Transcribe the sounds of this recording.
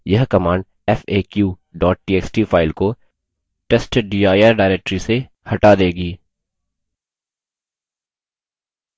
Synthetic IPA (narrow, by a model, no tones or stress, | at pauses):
jɐɦkɐmãːɳɖ | ɛfeːkjuː | ɖɔːʈ̚ʈiːeːksʈiːfʰaːɪlko | ʈeːsʈɖiːaːjaɾɖaːɾeːk̚ʈɾise | hɐʈad̪eːɡiː